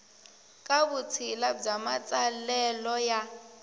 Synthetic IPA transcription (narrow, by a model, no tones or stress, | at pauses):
kʼaβut͡sʰilab͡ʐamat͡sʼalɛlɔja